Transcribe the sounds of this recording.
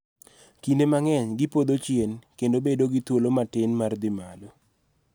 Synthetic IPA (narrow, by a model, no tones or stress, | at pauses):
kindemaŋɛɲɡɪpod̪ot͡ʃjenkendobedoɡit̪wolomatɪnmard̪ɪmalo